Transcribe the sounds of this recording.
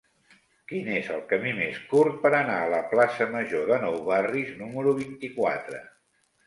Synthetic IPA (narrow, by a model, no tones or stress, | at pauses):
kinezə̰lˠkəmimeskuɾt̪̚pəɾənaələplasəməʒoðənɔwβariznuməɾuβ̞int̪ikwa̰t̪ɾə̰